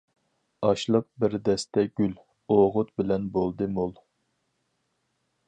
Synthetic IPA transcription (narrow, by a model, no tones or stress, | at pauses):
ɑʃlˠəq̚bɪɾd̪ɛst̪ɛɡʲyl | oʁʊt̪̚bɪlɛnbolˠd̪ɨmolˠ